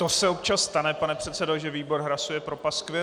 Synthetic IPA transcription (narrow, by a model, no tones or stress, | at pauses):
t̪o̞sɛop̚t͡ʃasːt̪anɛpanɛpr̝̥ɛt̪sɛdoʒɛviːbo̞ɾɦɾasujɛpɾopaskvɪ